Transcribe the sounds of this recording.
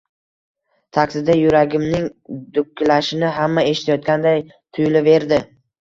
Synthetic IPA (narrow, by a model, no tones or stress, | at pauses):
t̪ʰakʲsɪd̪ajʊɾaɡʲɪmnɪŋd̪ʊkʲʰːlaʃɪnɪɦamːae̞ʃɪ̥t̪ʰajɒt̪̚kʲand̪aj | t̪ʰʊjlɪve̞ɾd̪ɪ